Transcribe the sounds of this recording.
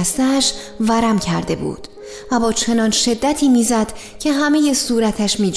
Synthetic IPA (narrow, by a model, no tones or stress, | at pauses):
st̪æʃ | væɾæmcʰæɾd̪e̞bṵːd̪̥ | væbɒːt͡ʃʰe̞nɒːnʃe̞d̪ːæt̪ʰiːmiːzæd̪̥ | cʰe̞ɦæmeje̞suːɾæt̪ʰæʃmiːd͡ʒ